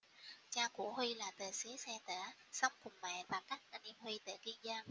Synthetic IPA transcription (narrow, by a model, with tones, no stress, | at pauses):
t͡ɕaː˧˩kṵ˧˩hwi˧laː˨˩t̪əː˨˩jse˨˦sɛ˧t̪əː˧˩sɔ˨˦wŋ͡mkʊ˨˩ŋ͡mmɛ̰˧˨vaː˨˩ka˦˥k̚ʔə˧˩nʔḭ˧əmhwi˧t̪ə̰ː˧˩ki˧ənzəː˧n